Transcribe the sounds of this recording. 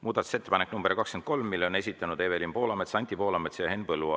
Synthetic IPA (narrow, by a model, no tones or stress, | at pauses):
muːd̪̥ɑt̪u̥se̞t̪ːe̞pɑnek̚ːnumberkɑkskend̪ko̞lmːilːeone̞s̬ʲit̪ːˑɑnud̪̥evelimpo̞ːlɑme̞t̪sɑnʲt̪ːˑipo̞ːlɑmet̪sejɑe̞npɤlːuɑ